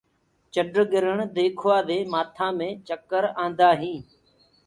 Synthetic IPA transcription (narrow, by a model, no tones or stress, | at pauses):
t͡ʃəɖɾɡɪɾəɳd̪eːkʰoaːd̪eːmaːt̪ʰãːmẽːt͡ʃəkəɾãːnd̪aːɦĩː